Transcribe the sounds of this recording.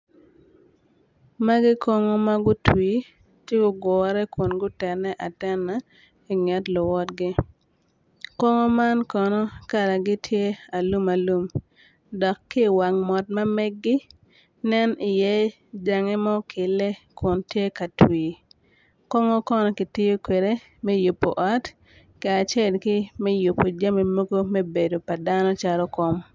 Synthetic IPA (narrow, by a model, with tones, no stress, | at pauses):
ma˦ɡɪ˦kɔ˦ŋɔ˦ma˦ɡʊ˦twi˨ | tje˦ɡʊ˦ɡɔ˨ɾɛ˦kʊ˨nɡʊ˦tɛ˨nɛ˦ʔa˨tɛ˦na˦ | i˨ŋɛ˨tlʊ˨wɔ˦tɡɪ˦ | kɔ˦ŋɔ˦ma˦nkɔ˨nɔ˦ka˨ɾa˨ɡɪ˦tʰje˦a˨lu˦ma˨lu˦m | dɔ˨kːɪ˦˨wa˨ŋmɔ˨t̚ma˦mɛ˦ɡːɪ˦ | nɛ˦ni˨jɛ˦ | d͡ʒa˨ŋɛ˦mɔ˦kɪ˨lɛ˦kʊ˨ntje˦ka˨twi˨ | kɔ˦ŋo˦kɔ˦nɔ˦kɪ˨tɪ˦jo˦kwe˨de˦ | mɛ˦ju˨pːo̰˨ʔɔ˦t | ki˨a˨t͡ʃe˦˨lkɪ˦mɛ˦ju˨pːo˨d͡ʒa˦mi˨mo˦ɡo˦me˦be˨do˨pa˨da˦nɔ˦t͡ʃa˦ɾɔ˦kɔ˦m˦